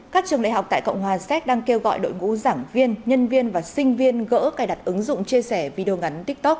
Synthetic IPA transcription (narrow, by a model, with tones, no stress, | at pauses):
kaː˦˥k̚t͡ɕɨ˨˩əŋla̰˧˨ɦa˨˩wk͡p̚t̪a̰ː˧˨jkə̰˧˨wŋ͡mɦwaː˨˩sɛ˦˥t̚ɗaː˧ŋke˧wɣɔ̰˧˨jɗo̰˧˨jŋṵ˧˥zaː˧˩ŋvi˧ənɲə˧nvi˧ənvaː˨˩sï˧ŋ̟vi˧ənɣə̰ː˧˥kaː˨˩jɗa˨˩t̚ʔɨ˨˦ŋzʊ̰˧˨ŋ͡mt͡ɕi˧əsɛ˧˩vi˧ɗe˧o˧ŋa˨˦nt̪i˦˥k̚t̪o˦˥k̚